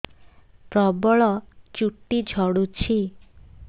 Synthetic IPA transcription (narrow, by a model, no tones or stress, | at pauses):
pɾɔbɔɭɔt͡ʃuʈːid͡ʒʱɔɽut͡ʃʰi